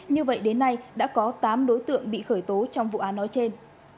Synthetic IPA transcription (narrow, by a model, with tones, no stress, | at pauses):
ɲɨ˧və̰˧˨jɗe˨˦nːa˧jɗa̰ː˧˥kɔ˨˦t̪aː˨˦mɗo˨˦jt̪ɨ̰˧˨əŋɓḭ˧˨xəː˧˩jt̪o˨˦t͡ɕɔ˧wŋ͡mvṵ˧˨ʔaː˨˦nːɔ˨˦jt͡ɕe˧n